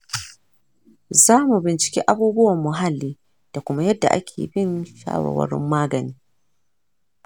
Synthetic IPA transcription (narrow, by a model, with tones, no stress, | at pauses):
zaː˦mu˨bɪ˨nt͡ʃɪ̥˨kʲḭ˦ʔa˦buː˦bʊ˦wɐ˨mːʊ˨ɦa˦lːiː˦ | d̥a˨kʷʊ˦ma˦jɐ˦dːa̰˨ʔa̰˦kʲʰḛː˨bɪ˦nʃa̰ː˦wa̰˨wɐ̰˦ɽɪ̰˦mːaː˦ɡɐ˨niː˦